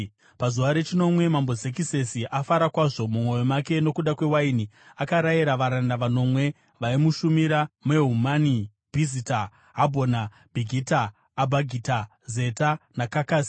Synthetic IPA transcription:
pazuʋaɾe̞t͡ʃino̞mwe̞mambo̞zek̬ise̞siʔafaɾakwaʐo̞mumwo̞jo̞make̞no̞kuɗakwewainiakaɾaiɾaʋaɾandaʋano̞mwe̞ | ʋaimuʃumiɾame̞ɦumani | bʱizita | ɦabʱo̞na | bʱiɡʱitaː | bʱaɡʱita | ze̞tanakakaːsi̥

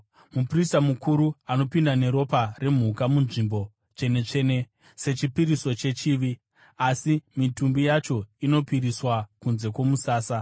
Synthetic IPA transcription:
mupristamukʰuɾuano̞pindane̞ɾo̞pare̞m̤ukamunʐimbo̞ | t͡ʃe̞ne̞t͡ʂe̞ne̞ | se̞t͡ʃipiɾiso̞t͡ʃe̞t͡ʃiːʋi | asimitumbijat͡ʃo̞ino̞piɾiswakunze̞kwo̞musaːsa

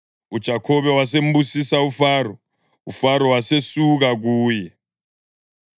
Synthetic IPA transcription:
ud̥ʒ̥ʱakʰɔβɛwas̬em̩busisaufarɔ | ufaɾɔwasesuɣaɣ̬uːjɛ

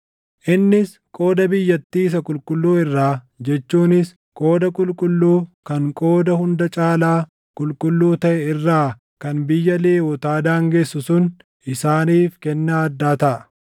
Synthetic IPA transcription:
ʔɪnːɪs | kʼo̞ːd̪ɐbɪjːɐt̪ːiːɪs̬ɐkʼʊlkʼʊlːuːɪrːaː | d͡ʒɛt͡ʃːuːnɪs | kʼo̞ːd̪ɐkʼʊlkʼʊlːuːkɐŋkʼo̞ːd̪ɐhʊnd̪ɐt͡ʃʼaːlaː | kʼʊlkʼʊlːuːt̪ɐʔɛɪrːaː | kɐnbɪjːɐleːwɔt̪aːd̪aːŋɡeːsːʊsʊn | ʔɪsaːniːfkɛnːaːɐd̪ːaːt̪ɐʔɐ

